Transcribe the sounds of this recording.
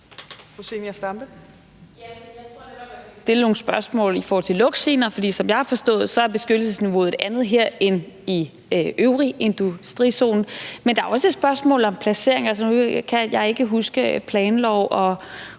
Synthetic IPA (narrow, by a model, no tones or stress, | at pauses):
kʰose̝mjasd̥ɑmb̥ə | jæjat͡sʰo̥d̥e̝lno̝ːŋ̩sb̥ɶɐsmɔ̰̽ːlifɔːhɒ̽l̰t͡sʰe̝lɔ̽ɡ̥sḛːnɐfɒd̥ḭːsɒ̽mjɑ̈ɪhɑ̈fɒ̽sd̥ɔ̽ːð̞̩ˠsɒ̽æɐb̥e̝sɡ̥ød̥l̩səsniʋo̝ːð̩ˠe̝d̥ænð̞̩ˠɦeɐ̰en | i | ʔøʊʁie̝nd̥usd̥ʁḭːso̝̰ːnn̩mend̥ɑ̈æɐɒ̽səe̝d̥sb̥ɶɐsmɔ̰̽ːlɒ̽mpʰlæse̝̰ɐ̰e̝ŋæls̬ənukʰæjɑ̈ɪe̝ɡ̥əɦusɡ̥əpʰlɛːnlɒʊ̰ʔɒ̽